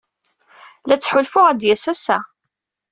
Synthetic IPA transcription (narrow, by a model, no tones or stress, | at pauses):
læt͡sːħʊlfʊʁæd̪jæsæsæ